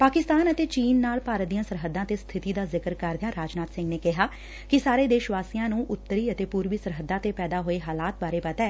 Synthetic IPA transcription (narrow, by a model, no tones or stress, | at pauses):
paːkɪst̪aːnət̪eːt͡ʃiːnːaːlpaːɾət̪ijãːsəɾɦəd̪ãːt̪eːst̪ʰɪt̪iːd̪aːzɪkəɾkəɾd̪jãːɾaːd͡ʒnaːt̪sɪ̃ŋɡneːkɪɦaː | kɪsaːɾeːd̪eːʃʋaːsijãːnũːʔʊt̪ːəɾiːət̪eːpuːɾʋiːsəɾɦəd̪ãːt̪eːpɛːd̪aːɦoːeːɦaːlaːt̪̚baːɾeːpət̪ɛː